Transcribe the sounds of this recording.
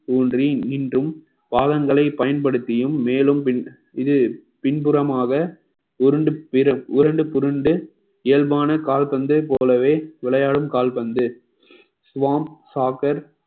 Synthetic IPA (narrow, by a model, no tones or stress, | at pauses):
t̪uːndriniːndrɯm | paːðɐŋɡɐɭɐɪpɐjɐnpɐɽɯt̪ːɪjɯmːeːlɯmpɪn | ɪðɯpɪnpɯɾɐmaːɣɐ | ʊɾɯɳɖɯpɪɾɐʊɾɐɳɖɯpʊɾɯɳɖɯ | eːlbaːnɐkaːlpɐnd̪ɯpoːlɐʋeːʋɪɭɐjaːɽɯmkaːlpɐnd̪ɯ | sʊʋaːmsaːkɐɾ